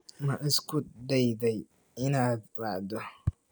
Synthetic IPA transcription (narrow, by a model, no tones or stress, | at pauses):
mɐʔɪskʰʊd̪ɛjðɛj | ɪnaːd̪wɑʕd̪ɔ